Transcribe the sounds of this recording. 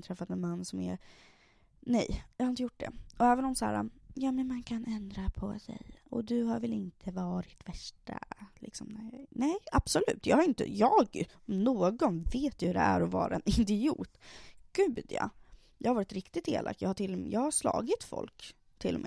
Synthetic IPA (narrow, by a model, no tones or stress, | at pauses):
t̪ʰɾɛfːat̪ɛnmanːsɔmɛɾ | nɛjjɑhaɾɪnt̪əjʊʈ̚ːd̪ɛ̰ɔɛːvənɔmsæ̰ːɾa̰jaːmɛnmankʰanɛnd̪ɾapʰɔsɛ̰jɔ̰d̪ɵɦaɾvɛlɪnt̪ʰəvɑːɾɪt̪væʂʈa̰lɪ̰ksɔmnæjnɛjab̥sɔlʉ̟ːt̪jɑːɡhaɾɪnt̪ə̰jɑːɡ | noːɡɔnveːt̪jɵhɵd̪ɛ̰æɾɔvɑ̰ːɾaɛnɪnd̪ɪuːt̪ɡ̥ʉ̟ːd̪jɑ̰ | jɑhaɾvɑːɾɪt̪ɾɪkt̪ɪt̪ḛːlʔa̰kːjɑːɡhaʈʰɪlːɔjɑːɡhaʂlɑ̰ːɡɪt̪fɔ̰lk | t̪ʰːɪlːɔmʔɛː